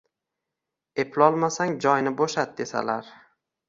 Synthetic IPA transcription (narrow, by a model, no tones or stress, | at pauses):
epʰlɒlˠmasaŋd͡ʒɒjnɪboʃat̪̚d̪e̞sa̰laɾ